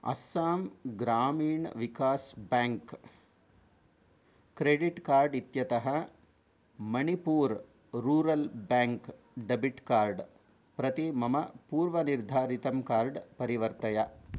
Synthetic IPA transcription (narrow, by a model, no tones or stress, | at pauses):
ɐ̰saːmɡɾaːmiːɳʋikaːsbaːŋk | kɾeːɖiʈkaːɾɖit̪jɐt̪ɐɦɐ | mɐnipuːɾ | ɾuːɾɐlbaːŋk | ɖɐbiʈkaːɾɖ | pɾɐt̪imɐmɐpuːɾʋɐniɾd̪ʱaːɾit̪ɐmkaːɾɖpɐɾiʋɐɾt̪ɐjɐ